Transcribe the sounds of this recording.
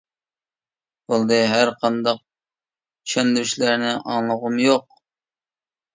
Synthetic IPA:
bolˠd̪ɨɦæɾqʰɑnd̪ɑq̚ | i̥ʃɑnd̪yɾyʃlæɾnɪʔɑŋlˠəʁʊmjoq̚

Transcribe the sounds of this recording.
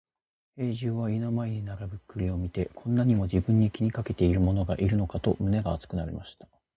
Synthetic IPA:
he̞ːʑɨːβainomaeɲ̟inaɾabɯ̟kːɯ̟ɾʲio̞mʲit̪e̞kʰõ̞nːaɲ̟imo̞ʑibɯ̟̃ɲ̟ːikʲiɲ̟ikake̞t̪e̞iɾɯ̟mo̞no̞ɡaʔiɾɯ̟no̞kat̪o̞̰mɯ̟ne̞ɡaːt͡sɨ̥kɯ̟naɾʲḭmaɕi̥t̪ḁ

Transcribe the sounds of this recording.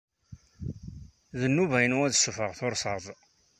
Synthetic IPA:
ðənːuvæjənwæðsəfəʁθʊɾsəðˤ

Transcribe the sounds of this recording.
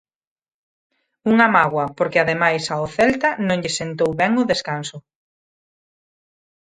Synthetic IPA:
uŋamaɣwɐpoɾkɪaðemajsaoθɛlt̪ɐnõŋʎɪsent̪owβɛŋʊðeskansʊ

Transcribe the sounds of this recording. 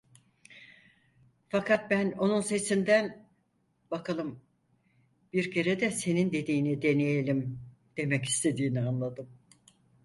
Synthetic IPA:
fakʰat̪̚bæno̞nunse̞sind̪æn | bakʰalˠɯm | b̥iɾcʰe̞ɾed̪ɛse̞nind̪e̞d̪iːnid̪e̞nejelʲim | d̪̥e̞mɛci̥st̪ʰe̞d̪iːnianlˠad̪ɯm

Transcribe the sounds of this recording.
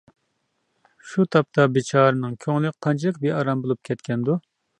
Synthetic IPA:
ʃut̪ʰɑp̚t̪ʰɑbet͡ʃʰɑːɾɨnɨŋkʲʰøŋlɪk̚ʲqʰːɑnt͡ʃʰilˠɨkbeɑɾɑmbolˠup̚kʲʰɛt̪kʲɛnd̪u

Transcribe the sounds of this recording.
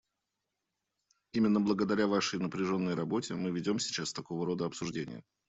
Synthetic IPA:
imʲɪnːəblˠəɡəd̪ɐɾʲavaʂəjnəpɾʲɪʐo̞nːəjɾɐbo̞tʲɪmɨvʲɪdʲo̞msʲɪ̥t͡ɕast̪ɐko̞vəɾo̞d̪əɐpsʊʐdʲenʲɪ̰jə̰

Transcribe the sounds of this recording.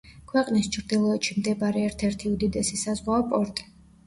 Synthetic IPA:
kʰwɛqʼnist͡ʃʰɾd̪ilˠɔɛt̪ʃimd̪ɛbaɾɛɛɾt̪ʰɛɾt̪ʰiud̪id̪ɛsisazʁwaɔpʼɔɾt̪ʼi̥

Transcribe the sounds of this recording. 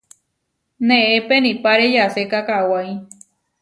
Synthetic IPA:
nẽepenĩpaɾejasekakawaj

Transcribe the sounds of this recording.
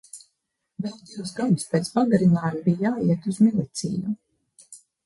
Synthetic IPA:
vɛlˠd̪iwsɡad̪uspʲeːt̪sbaɡaɾinaːjumbijjaːiɛt̪uzmilˠit̪sḭːju

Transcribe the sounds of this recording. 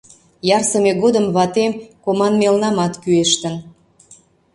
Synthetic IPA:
jɑrsəmeɣod̪əmβɑt̪emkomɑnmelnɑmɑt̪kyeʃt̪ən

